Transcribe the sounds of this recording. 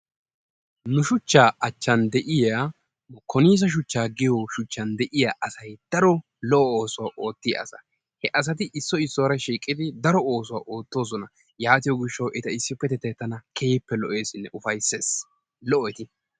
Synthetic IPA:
nʊʃʊt͡ʃːaːʔɐt͡ʃːɐnd̪ɛʔɪja | nʊkʰɔniːs̬ɐʃ̬ʊt͡ʃːaːɡɪjɔʃʊt͡ʃːɐnd̪ɛʔɪjaʔɐsɐjd̪̥ɐɾɔ | lɔʔɔo̞ːsʊwaʔo̞ːt̪ːɪj̰ɐ̰sɐ | hɛʔɐs̬ɐt̪̬ɪʔɪsːɔɪsːɔwɾɐʃiːkʼːɪd̪ɪd̪ɐɾɔo̞ːsʊwa̰ːʔo̞ːt̪ːo̞ːsɔnɐ | jaːt̪ɪjɔɡɪʃːɐwʔɛt̪ɐɪsːɪpːɛt̪ɛt̪ːɛt̪ːɐnɐkʰeːpːɛlɔʔe̞ːsɪnːɛʔʊfɐjseːs | lɔʔɔɛt̪ɪ

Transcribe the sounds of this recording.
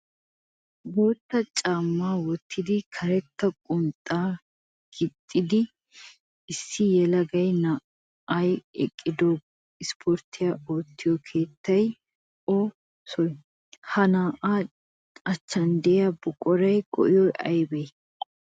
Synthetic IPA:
boːt̪ːɐt͡ʃʼaːmːaːwɔt̪ːɪd̪ɪkʰɐɾɛt̪ːɐkʼʊnt̪ʼːaː | ɡ̥ɪt̪ʼːɪd̪ɪ | ɪsːɪjɛlɐɡɐjnaː | ʔɐjɛ̰kʼːɪd̪o | ɪspʰoɾt̪ːɪjaoːt̪ːɪjɔkʰe̞ːt̪ːɐj | ɔ | sɔj | hɐnaːʔaː | ɐt͡ʃːɐnd̪ɛjɐbʊkʼɔɾɐjkʼɔ̰ʔɪjɔjʔɐjbɛj

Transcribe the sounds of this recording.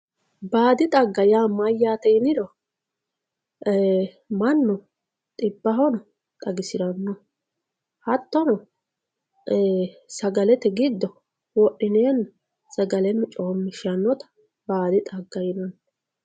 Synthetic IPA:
baːd̪ɪt̪ʼɐɡːɐjamɐjːaːt̪ɛɪnɪd̪ɔ | mɐnːɔ | t̪ʼɪbːɐɦɔnɐ | t̪ʼɐɡɪsɪɾɐnːɔ | hɐt̪ːɔnɔ | sɐɡɐlɛt̪ɛɡɪd̪ːɔ | wɔʔɪneːnːɐ | sɐɡɐlɛnːʊt͡ʃʼoːmːɪʃɐnːɔt̪ɐ̥ | baːd̪ɪt̪ʼɐɡːɐjɪnɐnː

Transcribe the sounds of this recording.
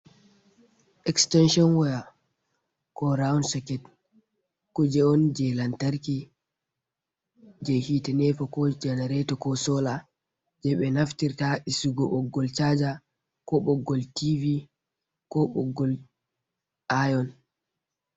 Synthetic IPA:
ʔɛkstɛnʃɔnwɔja | kɔɾawnsɔkɛt | kud͡ʒɛɔnd͡ʒɛlantaɾki | d͡ʒɛhitɛnɛfakɔd͡ʒɛnɛɾɛtɔkɔsɔla | d͡ʒɛɓɛnaftiɾtaʔisuɡɔɓɔɡːɔlt͡ʃad͡ʒa | kɔɓɔɡːɔltivi | kɔɓɔ̰ɡːɔl | ʔajɔn

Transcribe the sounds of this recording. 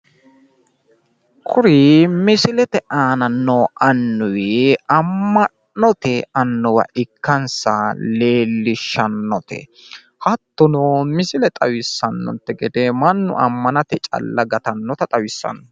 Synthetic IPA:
kʰʊɾɪmɪsɪlɛt̪ɛʔaːnɐnːɔʔɐnːʊwɪɐmːɐ | nɔt̪ɛɐnːɔwɐ̰ʔɪkːɐnsɐle̞ːlːɪʃːɐnːɔt̪ɛ̰ | hɐt̪ːʊnɔmɪsɪlɛt̪ʼɐwɪsːɐnːɔ̰nt̪ːɛɡɛd̪ɛmɐnːʊ̰ʔɐmːɐnɐt̪ɛt͡ʃʼɐ̰lːɐɡɐt̪ɐnːɔt̪ɐt̪ʼɐwɪsːɐ̰nːɔ

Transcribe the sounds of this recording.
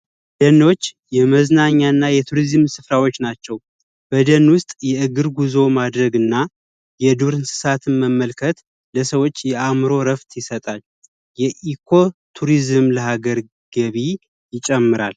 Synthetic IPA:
d̪̥ənːo̞t͡ʃː | jɛməznaɲːanːajɛt̪ʰuɾizmsɨfɾawo̞t͡ʃːnat͡ʃːɛw | b̥əd̪ənwʊst̪ʼjɛɨɡɨɾɡuzo̞mad̪ɾəɡɨnːa | jɛd̪uɾɨnsɨ̥sat̪ʰɨnməmːəlkʰət̪ | ləsəwo̞t͡ʃːjɛʔamɨɾo̞ɾəft̪ʰjɪsət̪ʼal | jɛʔikʰo̞t̪ʰuɾizɨmləɦaɡəɾ | ɡ̥əβi | jɪt͡ʃʼɛmːɨɾa̰l

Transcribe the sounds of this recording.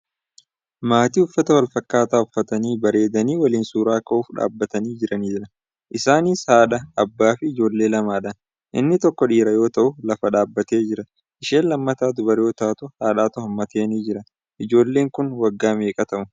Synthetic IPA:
maːt̪iːʊfːɐt̪ɐwɐlfɐkːaːt̪aːʊfːɐt̪ɐniːbɐɾe̞ːd̪ɐniːwɐliːnsuːɾaːkɐʔuːfᶑa̰ːbːɐt̪ɐniːd͡ʒɪɾɐniːɾɐ | ʔɪsaːniːshaːᶑɐːbːaːfɪːd͡ʒo̞ːlːe̞ːlɐmaːᶑɐ | ʔɪ̰nːɪt̪ɔkːɔᶑiːɾɐjo̞ːt̪ɐʔʊlɐfɐᶑaːbːɐt̪e̞ːd͡ʒɪɾɐ | ʔɪʃeːnlɐmːɐt̪aːd̪ʊbɐɾjo̞ːt̪aːt̪ʊhaːᶑaːt̪ʊhɐmːɐt̪eːniːd͡ʒɪɾɐ | ʔɪd͡ʒo̞ːlːe̞ːŋkʊnwɐɡːaːmeːkʼɐt̪ɐʔʊ

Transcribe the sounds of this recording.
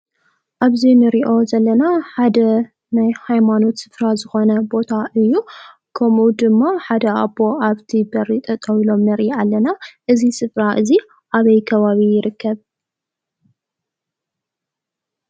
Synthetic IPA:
ʔaβzinɨɾiʔo̞zɐlːɐnaħad̪ɐ | najhajmano̞t̪sɨfɾazɨxo̞nɐbo̞t̪ʰaʔɨjːu | kʰɐmʔud̪ɨmːaħad̪ɐʔabo̞ʔaβt̪ʰibɐɾːit̪ʼʰɐt̪ʼɐwilo̞mnɐɾialːɐnaʔɨzisɨfɾaʔɨzi | ʔaβɐjkʰɐβaβijɪɾɨkːɐβ

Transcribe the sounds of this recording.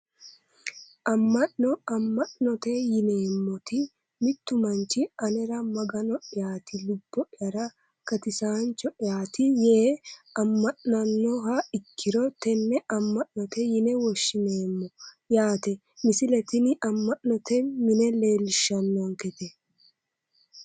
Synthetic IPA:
ʔɐmːɐʔnɔɐmːɐʔnɔt̪ɛjɪne̞ːmːɔt̪ɪ | mɪt̪ːʊmɐnt͡ʃːɪɐnɛɾɐmɐɡɐnɔʔɪjaːt̪ɪlʊb̥ːɔʔɪjɐɾɐ | kɐt̪ɪsaːnt͡ʃːɔʔɪjaːt̪ɪjeːɐmːɐʔnɐnːɔɦɐɪkʰːɪɾɔt̪ɛnːɛɐmːɐʔnɔt̪ɛjɪnɛwɔʃːɪneːmːɔ | jaːt̪ɛ | mɪsɪlɛt̪ɪnɪʔɐmːɐʔnɔt̪ɛmɪnɛle̞ːlʃːɐnːɔŋkɛt̪ɛ

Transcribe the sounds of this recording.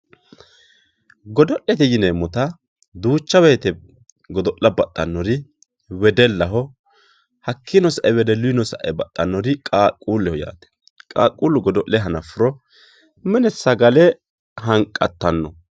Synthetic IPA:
ɡɔd̪ɔʔːɛt̪ɛjɪnemɔt̪ɐ | d̪uːt͡ʃːɐweːt̪ɛ | ɡɔd̪ɔʔːɐbɐt̪ʼːɐnːɔɾɪ | wɛd̪ɛlːɐɦɔ | hɐkʰːɪnɔsɐʔɛwɛd̪ɛlʊɪnɔsɐ̰ʔɛ̰bɐt̪ʼːɐnːɔɾɪkʼaːkʼːuːlːɛhɔja̰ːt̪ɛ̥ | kʼa̰ːkʼːuːlːʊɡɔd̪ɔʔlɛɦɐnɐfʊɾɔ | mɛnɛsɐɡɐlɛ | ɦɐŋkʼːɐt̪ːɐnːɔ

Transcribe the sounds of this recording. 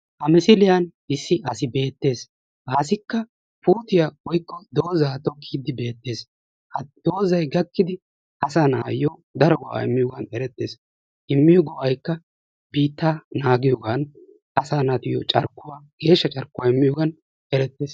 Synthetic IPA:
ʔɐmɪsɪlɪjɐnɪsːɪʔɐsɪbe̞ːt̪ːe̞ːs | ʔaːsɪkːɐ | puːt̪ɪjawɔjkːɔd̪o̞ːzaːt̪ɔkʰːiːd̪ːɪbe̞ːt̪ːe̞ːs | ɐd̪̥oːzɐjɡɐkːɪd̪ɪ | ʔɐsaːnaːjɔd̪ɐɾɔɡɔʔa̰ɪmːɪjɔɡɐnɛɾɛt̪ːe̞ːs | ʔɪmːɪjɔɡɔʔɐjkːɐ | biːt̪ːaːnaːɡɪjɔːɡan | ʔɐsaːnɐt̪ɪjɔ̰t͡ʃʼɐ̰ɾkːʊwaːɡ̥e̞ːʃːɐt͡ʃʼɐɾkːʊwaɪmːɪjɔːɡɐn | ɛɾɛt̪ːe̞ːs

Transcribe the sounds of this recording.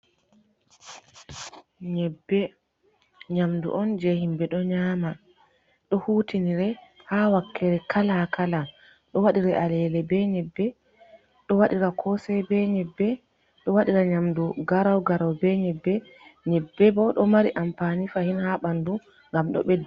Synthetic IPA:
ɲɛbːɛ | ɲamdṵʔɔnd͡ʒɛhimbɛɗɔɲaːma | ɗɔhuːtiniɾɛ | hawakʰːɛɾɛkʰalakala | ɗɔwaɗiɾɛʔalɛlɛbɛɲɛbːɛ | ɗɔwaɗiɾakʰɔsɛbɛɲɛbːɛ | ɗɔwaɗiɾaɲamduɡaɾawɡaɾawbɛɲɛbːɛ | ɲɛbːɛbɔɗɔmaɾiʔampanifahinhaɓandu | ŋɡamɗɔ̰ɓɛdːɛ

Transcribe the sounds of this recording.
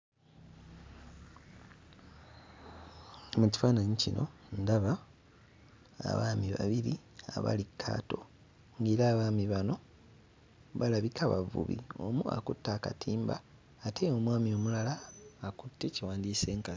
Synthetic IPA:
muci̥faːnaɲicino̞̰ndaβa | a̰βaːmiβa̰βiɾi | a̰βa̰likʰːa̰ːto̞ | ŋɡeːɾaːβaːmiβano̞ | βalaβikʰaβa̰vṵβḭo̞̰mua̰kutːaːkatʰiːmba̰ː | te̞omwaːmio̞mulalaːkutːeciwaːndise̞ːŋka

